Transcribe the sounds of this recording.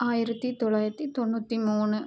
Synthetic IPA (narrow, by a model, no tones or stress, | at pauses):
aːjiɾɐt̪ːit̪oɭːaːjɾɐt̪ːit̪oɳːut̪ːimuːnɨ